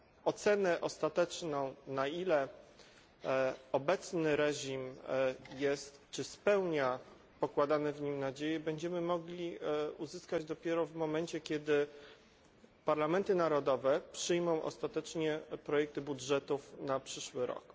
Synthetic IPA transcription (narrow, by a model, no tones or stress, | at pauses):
ɔt̪sɛnɛʔɔst̪at̪ɛt͡ʂnɔ̃w̃nailɛ | ɔbɛt̪snɘɾɛʑimjɛst̪t͡ʂɘspɛwɲa | pɔkwad̪anɛvɲimnad͡ʑejɛbɛɲd͡ʑɛmɘmɔɡlʲiuzɘskad͡ʑd̪ɔpʲjɛɾɔvmɔmɛnt͡ɕɛkʲjɛd̪ɘ | paɾlamɛnt̪ɘnaɾɔd̪ɔvɛpʂɘjmɔ̃w̃ʔɔ̰st̪at̪ɛt͡ʂɲɛpɾɔjɛk̚t̪ɘbudʐɛt̪ufnapʂɘʂwɘɾɔ̰k